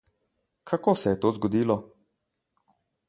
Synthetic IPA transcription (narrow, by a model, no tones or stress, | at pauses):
kʰakoːsɛjɛt̪oːzɡɔd̪iːlɔ